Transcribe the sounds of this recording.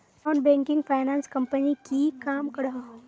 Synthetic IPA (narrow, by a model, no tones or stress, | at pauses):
ɔːnbɛ̃ːŋkɪ̃ŋɡpʰaːɪnãːnskɐ̃mpənikikaːmkɐɽa